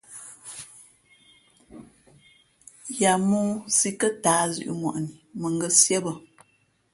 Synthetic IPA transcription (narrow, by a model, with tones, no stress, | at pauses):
ja˨muː˦si˦kə˦taː˨˦zʉ̰˨ʔṵ˨ŋwɔ̰˨ʔni˨mə˨ŋ˦ɡə˦sjɛ˦bə˨